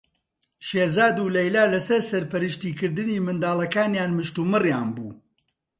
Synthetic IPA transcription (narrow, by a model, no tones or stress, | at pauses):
ʃeːɾzaːd̪ulɐjlaːlɐsɐɾsɐɾpɐɾɨʃt̪iːkɨɾd̪ɨniːmɨnd̪aːlˠɐkaːnjaːnmɨʃt̪umɨrjaːnbuː